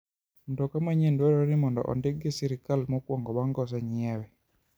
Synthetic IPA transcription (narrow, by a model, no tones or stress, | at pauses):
ndɔkamaɲendwɛɾɔɾɪmɔndɔ̰ʔɔ̰ndeɡɪsiɾɪkalmɔkwɔŋɡɔwaŋɡɔs̬aɲɪɛwɛ